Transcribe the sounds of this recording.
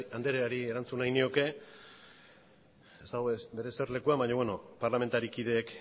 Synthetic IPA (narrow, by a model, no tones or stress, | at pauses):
and̪eɾeaɾieɾant͡sunajnio̞ke̞ | est̪aɣoesbe̞ɾe̞se̞rle̞kuambaɲowe̞no̞paɾlame̞nt̪aɾikið̞e̞ːk